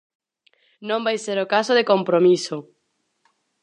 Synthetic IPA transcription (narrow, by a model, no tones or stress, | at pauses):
nõmbajseɾokasoðekompɾomiso